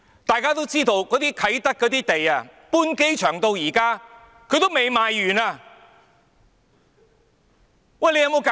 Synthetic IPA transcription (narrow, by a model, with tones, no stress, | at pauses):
t̪aː˨jkaː˥t̪o˥wt͡siː˥t̪o˧wkɔː˨˥t̪iː˥kʰɐ˨˥jt̪ɐ˥k̚kːɔː˨˥t̪iː˥t̪e˨jaː˧puː˥nke˥jt͡ʃʰœː˨˩ŋt̪o˧wjiː˨˩kaː˥ | kʰɵ˨˧t̪o˥wme˨jmaː˨jːyː˨˩naː˧ | wɐ˨˩jle˧jɐ˧wmo˨˧wka˨